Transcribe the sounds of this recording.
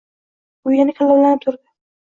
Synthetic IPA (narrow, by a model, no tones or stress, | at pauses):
ʊjanɪkʰalːablanɪt̪ʰʊɾd̪ɪ